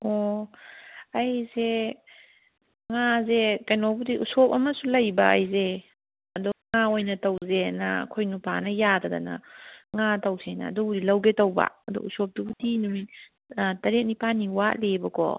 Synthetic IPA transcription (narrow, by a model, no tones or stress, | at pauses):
ɔ | ɐjze | ŋazekajnobudiʔusop̚ɐmɐsulɐjba̰ːjze | ɐdɔŋaojnɐtɐwzena̰kʰojnupanɐjatada̰na̰ŋatɐwsʰena̰ːdɔdilɐwɡetɐwba̰ɐdɔ̰usɔp̚dubudinumi | tɐɾek̚nipaniwalebɐkɔ̰